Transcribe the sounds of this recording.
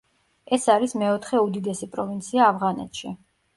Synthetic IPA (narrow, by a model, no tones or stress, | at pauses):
ɛsaɾismɛɔt̪ʰχɛud̪id̪ɛsipʼɾɔvint̪sʰiaːvʁanɛ̰t̪ʃi